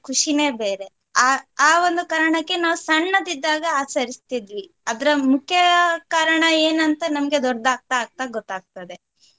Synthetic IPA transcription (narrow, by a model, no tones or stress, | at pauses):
kʰuʂine̞ːbe̞ːɾe̞ | aaːʋond̪ukaːɾɐɳɐkːe̞naːʋusɐɳːɐd̪id̪ːaːɡɐaːt͡ʃɐɾist̪id̪ʋi | ɐd̪ɐɾɐmukʰjɐkaːɾɐɳɐeːnɐnt̪ɐnɐmɐɡe̞d̪ɔɾd̪aːɡ̚t̪aːɡ̚t̪aɡɔt̪ːaːɡ̚t̪ɐd̪e̞